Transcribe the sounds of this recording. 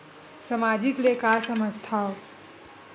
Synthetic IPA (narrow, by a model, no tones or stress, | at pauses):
səmad͡ʒiklekaɾsəməst̪ʰao